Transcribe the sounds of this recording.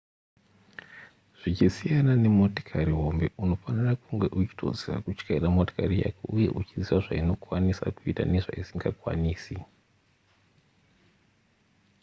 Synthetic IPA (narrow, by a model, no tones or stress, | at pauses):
ʐ̥it͡ʃisijanane̞moti̥kʰaɾiɦo̞mbe̞uno̞fanirakuŋɡe̞ʔut͡ʃi̥tʰo̞̰zira̰kut͡ʃkairamoto̥karija̰kḛʔuje̞̰ʔut͡ʃiziʋaʐaino̞kwanisa̰kuita̰neʐa̰isiŋɡakwa̰niːsi